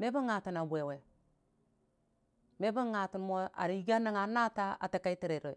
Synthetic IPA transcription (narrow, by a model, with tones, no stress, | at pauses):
me˦bu˦ŋa˨ti˨na˨bʷe˨we˨ | me˦bu˦ŋa˨ti˨n˦mo˦a̰˨ɾi˨˦ɡa˦ni˦ŋa˨na˦ta˦a̰˨ta˨ka˦i˦ti˨ɾe˨ɾo˨